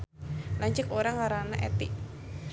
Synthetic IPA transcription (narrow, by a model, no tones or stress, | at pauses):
laɲt͡ʃəkoɾaŋaɾanaʔɛ̰t̪iʔ